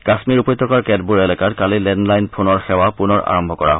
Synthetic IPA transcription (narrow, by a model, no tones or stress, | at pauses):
kasmiɹupɔjt̪ːɔkaɹkɛd̚buɹelɛkaɹkalilɛndlajnpʰonɔɹxɛwapunɔɹa̰ɹɔmbʱɔkɔɹa̰ɦ